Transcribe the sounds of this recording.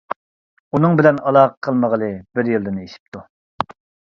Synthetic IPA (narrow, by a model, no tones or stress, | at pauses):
unɨŋbɪlɛnɑlˠɑːʁəqʰəlˠməʁəlˠɨbɪɾjilˠd̪ɨneʃi̥p̚t̪ʰu